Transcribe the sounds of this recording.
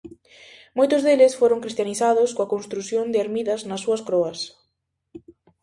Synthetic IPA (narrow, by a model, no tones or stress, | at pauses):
mojt̪ʊzðelɪsfoɾoŋkɾist̪janiθaðʊskoɐkonst̪ɾuθjond̪ɪeɾmiðɐznɐsːuɐskɾɔɐs